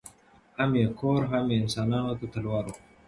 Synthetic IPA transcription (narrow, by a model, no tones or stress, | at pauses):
hamjekʰoɾɦamjeɪnsɑːnɑːnot̪at̪alwɑːɾo